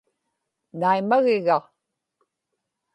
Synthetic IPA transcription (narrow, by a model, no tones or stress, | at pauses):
najmaɣɪɣa